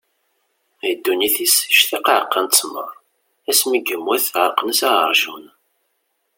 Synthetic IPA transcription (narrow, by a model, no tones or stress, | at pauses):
jəd̪ːuniθisʃθiqʕqːɑnt͡sːmə̰ɾˤ | æsməɡəmːwæθʕəqːnəsæəɾˤʒun